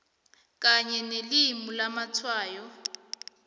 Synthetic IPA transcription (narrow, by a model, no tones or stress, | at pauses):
kʼaɲɛnelimulamat͡sʰwaːjɔ